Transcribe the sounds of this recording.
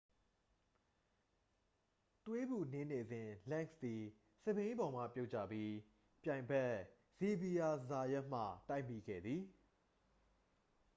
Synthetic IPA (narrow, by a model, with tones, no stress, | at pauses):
t̪we˦bu˨ne˦ne˨zɪ̃˨lɛ̃˦˨ŋsd̪i˨ | sə˦˨bẽ˦ɪ̃˦bɔ˨m̥ä̰˦˨pjo˦ʊt͡ɕä̰˦˨bji˦ | pjã˨ɪ̃mbɛ˦ʔ | z̥i˨bi˨a˨za˨jɛ˦ʔm̥ä̰˦˨ta˦ɪmi˨ɡɛ̰˦˨d̪ði˨